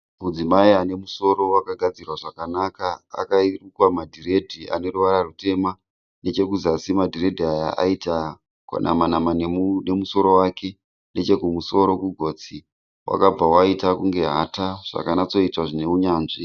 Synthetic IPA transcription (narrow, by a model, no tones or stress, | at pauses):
mud͡zimaiane̞muso̞ɾo̞wakaɡʱad͡zirwaʐakanakaa̰kairukwamadʱiɾe̞dʱia̰ne̞ruʋaɾarute̞ma | ne̞t͡ʃe̞kuzasimadʱire̞dʱiaja̰ʔa̰ita | kwa̰nʔa̰manamanne̞muso̞ɾo̞wake̞ | ne̞t͡ʃe̞kumuso̞ɾo̞kuɡʱo̞ːt͡si | wʔa̰kab͡vawaitakuŋɡe̞ɦataʐ̥a̰kanat͡so̞itaʐine̞uɲaːnʐi